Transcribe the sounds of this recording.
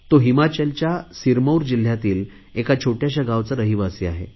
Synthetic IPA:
t̪oɦimat͡ɕəlt͡ɕjasiɾməwɾd͡ʑil̤ːjat̪iːl | ekat͡ɕʰoʈjaɕ̬aɡaʋt͡səɾəɦiʋasiaɦḛ

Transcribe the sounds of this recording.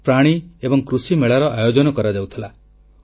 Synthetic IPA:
pɾaɽ̃iebɔŋkɾusimeɭaɾɔʔajod͡ʒɔnɔkɔɾad͡ʒawt̪ʰila

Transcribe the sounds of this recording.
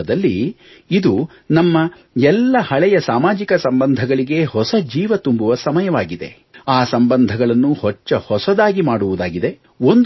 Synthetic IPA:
ɐd̪ɐlːi | id̪u | nɐmːɐ | ɛlːɐhɐɭɛjɐsaːmaːd͡ʒikɐsɐmbɐnd̪ʱɐɡɐɭiɡe̞hɔsɐd͡ʒiːʋɐt̪umbuʋɐsɐmɐjɐʋaːɡid̪e̞̰ | aːsɐmbɐnd̪ʱɐɡɐɭɐnːuhɔt͡ʃːɐhɔsɐd̪aːɡimaːɽuʋud̪aːɡid̪e̞ | o̞nd̪

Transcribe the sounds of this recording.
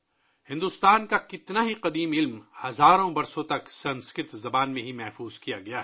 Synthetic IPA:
hɪ̃nd̪ust̪aːnkakɪt̪naɦiqɐd̪iːmɪlmhɐzaːɾõbɐɾsõt̪ɐksɐ̃nskɾɪt̪zɐbaːnmẽɦimɛɦfuːzkijaɡɐjaːɦ

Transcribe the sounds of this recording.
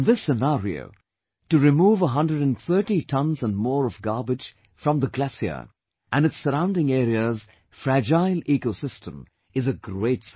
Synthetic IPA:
nðɪsɨnaɹio̰ʊ | tɨɹɨmuːvəɦʌ̃ndɹəɾɨ̃nθɜ˞ʈitʰʌ̃nzə̃nmɔːɹʌvɡɑɹbɨ̥d͡ʒ̥ | fɹʌ̃mðəɡlæsiə̰ | ʔɨ̃nɨtsəɾãʊ̃ndɪ̃ŋɛɾiəz̥ | fɹæd͡ʒaɪlikosɪstə̃m | ɨzəɡɹeɪts

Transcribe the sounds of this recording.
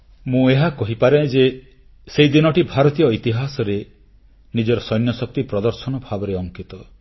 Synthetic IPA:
mũeɦakɔɦipaɾed͡ʒe | seid̪inɔʈibʱaɾɔt̪ijɔit̪iɦasɔɾe | nid͡ʒɔɾɔsɔjnjɔsɔk̚t̪ipɾɔd̪ɔɾsɔnɔbʱabɔɾeɔŋkit̪ɔ

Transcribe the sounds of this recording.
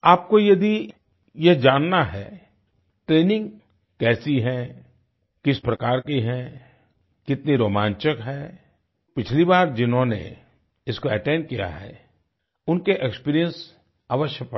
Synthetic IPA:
aːp̚kojɐd̪i | jed͡ʒaːnːaɦɛː | ʈɾeːnɪ̃ŋɡ | kɛːsiɦɛ̃ | kɪspɾɐkaːɾkiɦɛ̃ | kɪt̪niɾoːmãːɲt͡ʃəkɦɛː | pɪt͡ʃʰlibaːɾd͡ʒɪnɦõnḛ | ɪskoɛʈɛ̃ːnɖkija̰ɦɛ̰ː | ʊnkeʔekspiːɾijə̃ns | aːʋəʃjəpɐ

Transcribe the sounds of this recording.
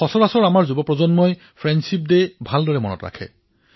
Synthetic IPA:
ɔsɔɹasɔɹamaɹzubɔpɹɔzɔnmɔj | pʰɹɛndsip̚debʱaldɔɹɛmɔnɔ̰tɹa̰kʰɛ̰

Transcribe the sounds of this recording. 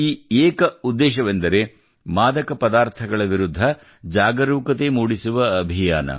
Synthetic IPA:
iːeːkɐud̪ːeːʃɐʋend̪ɐɾe̞ | maːd̪ɐkɐpɐd̪aːɾt̪ʰɐɡɐɭɐʋiɾud̪ʱːɐ | d͡ʒaːɡɐɾuːkɐt̪emuːɽisuʋɐːbʱijaːnɐ̰

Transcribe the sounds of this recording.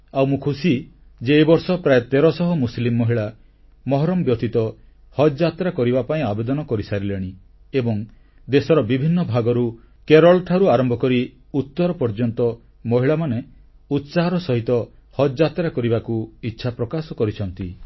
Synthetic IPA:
awmũkʰusi | d͡ʒeːbɔɾsɔpɾajet̪eɾɔsɔɦɔmuslimːɔɦiɭa | mɔɦɔɾɔmbjɔt̪it̪ɔ | hɔd͡ʒat̪ɾakɔɾibapaĩabed̪ɔnɔkɔɾisaɾileɽ̃i | ebɔŋ | d̪esɔɾɔbibʱinːɔbʱaɡɔɾu | keɾɔlʈʰaɾuaɾɔmbʱɔkɔɾi | ut̪ːɔɾɔpɔɾd͡ʒɔnt̪ɔ | mɔɦiɭamane | ut̪saɦɔɾɔsɔɦit̪ɔhɔd͡ʒat̪ɾakɔɾibakuitːʃʰapɾɔkasɔkɔɾit͡ʃʰɔnt̪i

